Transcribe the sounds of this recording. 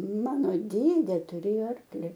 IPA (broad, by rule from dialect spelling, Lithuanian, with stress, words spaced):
ˈmɑːnoː ˈdʲeːdʲeː tʊˈrʲeːjoː ˈɐrklʲɪ